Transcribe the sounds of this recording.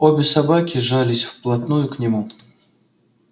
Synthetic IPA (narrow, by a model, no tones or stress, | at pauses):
obʲɪsɐbakʲɪʐalʲɪsʲfplˠɐt̪nujʊknʲɪmu